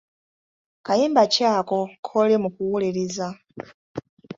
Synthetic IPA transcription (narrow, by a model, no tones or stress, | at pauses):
kajiːmbacaːkokʰolemukuwuleɾiza